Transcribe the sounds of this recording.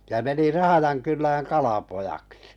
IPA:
jɑ meni rɑhɑjɑnkylːæːŋ kɑlɑpojɑksi̥

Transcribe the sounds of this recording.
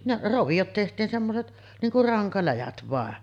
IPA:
neʔ roʋijot tehtiːn semːoset niːŋ kur rɑŋkɑlæjæt ʋɑˑen

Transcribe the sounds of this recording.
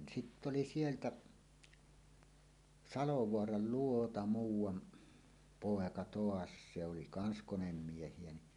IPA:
sitː oli sieltæ sɑloʋoɑrɑl luotɑ muːwˑɑn poˑekɑ toɑs se oli kɑns konemːiehˑie ni

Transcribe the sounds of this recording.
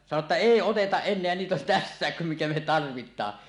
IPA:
sɑno tːɑ eˑi otetɑʔ ʔenˑeæ niːt on tæsːæˑek kum mikæ me tɑrʋitˑɑː

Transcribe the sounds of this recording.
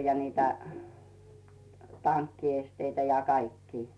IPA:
jɑ niːtæ tɑnkːiesteitæ jɑ kɑikːiː

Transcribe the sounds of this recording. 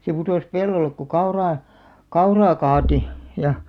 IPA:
se putoˑs pelːolːek ku kɑurɑː kɑurɑː kɑːti jɑ

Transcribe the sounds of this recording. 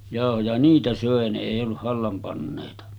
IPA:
jɑˑohojɑ niːtæ søˑe ne eˑi olːuh̆ hɑlːɑm pɑnːeˑitɑ

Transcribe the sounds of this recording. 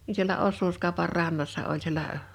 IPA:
ni sielæ osːuːskɑˑopɑr rɑnːɑsːɑ olʲ sielæ

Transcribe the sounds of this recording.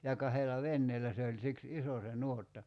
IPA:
jɑ kɑhelɑ ʋenːeːlæ se olʲ siks iso se nuotːɑ

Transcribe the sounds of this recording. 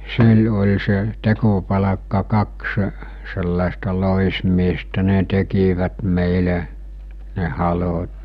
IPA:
syl olʲ se tekopɑlɑkːɑ kɑksə̆ selːɑˑestɑ loˑismiestæ ne tekiʋæt meˑile ne hɑlot

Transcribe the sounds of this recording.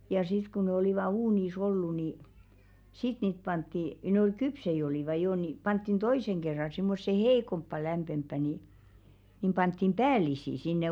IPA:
jɑ sit ku ne oliˑʋɑ uːniˑs olːu ni sit niːt pɑntːi nĕ ol kypsei oliˑʋɑ joˑ ni pɑntːin toiseŋ ɡ̊erːɑ simːosːe hei̞kompːɑ læmpempːæ ni nim pɑntːim pæːlisi sinːe

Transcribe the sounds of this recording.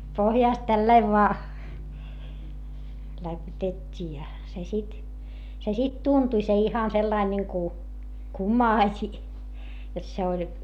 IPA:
pohjɑˑst tælːɑiʋ ʋoɑ læpytetʲːiː jɑ se sit se sit tuntuĭ se ihɑn selːɑin niŋku kumɑːsʲi jot se olʲ

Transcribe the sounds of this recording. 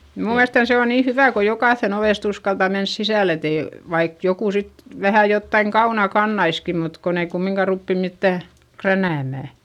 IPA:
mnuː miælestæn se on niː hyʋæˑ ko jokɑˑθːen oʋeˑst uskɑltɑ mens sisæˑl et ei ʋɑik jokuˑ sit ʋæhæ jotːɑiŋ kɑunɑ kɑnːɑiski mut kon ei kumːiŋkɑ rupːi mitːæˑ krænæˑmæˑ

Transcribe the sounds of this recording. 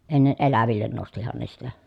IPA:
enːe ʔelæʋilːen nostihɑn ne sitæ

